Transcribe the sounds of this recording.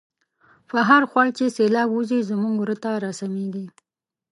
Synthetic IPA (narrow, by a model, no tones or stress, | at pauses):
faɦaɾxwɑɽt͡ʃeselɑbuzizamuŋɡwɾət̪aɾasameɡi